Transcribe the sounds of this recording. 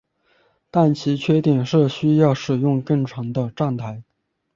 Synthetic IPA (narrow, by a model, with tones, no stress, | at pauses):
t̪a˥˩nt͡ɕʰi˧˥t͡ɕʰɥɛ˥˧t̪i˥˩ŋʂɻ̩˥˩ɕy˥jɑ˥˩ʊʂɻ̩˨˩jʊ˥˧ŋkɤ˥˩ŋʈ͡ʂʰɑ˧˥ŋd̪ə˧ʈ͡ʂɑ˥˧ŋt̪ʰa˥ɪ